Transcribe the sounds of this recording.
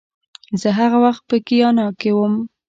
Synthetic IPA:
zəɦaɣawaxt̪̚pəkijɑnɑkewəm

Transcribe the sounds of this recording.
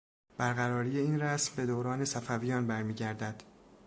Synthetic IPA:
b̥æɾɣæɾɒːɾiːje̞iːnræsmbe̞d̪oːɾɒːne̞sæfæviːjɒːnbæɾmiːɟæɾd̪æd̪̥

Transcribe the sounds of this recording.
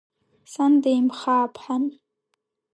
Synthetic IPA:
sandejmχaːpʰħan

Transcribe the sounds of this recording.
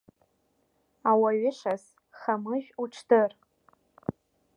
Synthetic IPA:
awaɥɪʂas | χamɨʒʲᶣuʈ͡ʂʰdɨr

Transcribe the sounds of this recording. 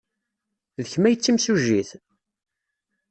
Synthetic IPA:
ðəçmæjət͡sːimsuʒːiθ

